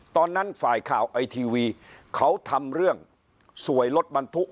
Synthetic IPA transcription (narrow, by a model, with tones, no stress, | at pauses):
t̪ɔː˧nːa˦˥nfaː˨˩jkʰaː˨˩wʔa˧jt̪ʰiː˧wiː˧kʰa˦˥wt̪ʰa˧mɾɯ˥˩əŋ | su˨˩˦əjlo˦˥t̪̚ba˧nt̪ʰu˦˥ʔ